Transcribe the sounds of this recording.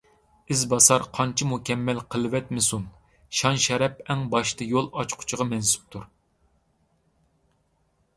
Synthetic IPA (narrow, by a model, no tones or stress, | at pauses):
ɪzbɑsɑɾqʰɑnt͡ʃʰimukʲɛmːɛlqʰəlˠvɛt̪mɪsun | ʃɑnʃɛɾɛpɛŋbɑʃt̪ʰɨjolˠɑt͡ʃqʰʊ̥t͡ʃʰɪʁɑmɛnsy̥p̚t̪ʰuɾ